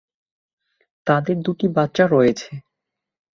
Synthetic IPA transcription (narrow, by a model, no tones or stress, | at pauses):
t̪ad̪eɾd̪uʈibat̪ːɕaɾɔjet͡ɕʰe